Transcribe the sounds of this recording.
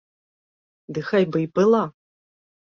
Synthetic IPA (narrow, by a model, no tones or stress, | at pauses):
d̪ɨxajbɨjpʼɨlˠa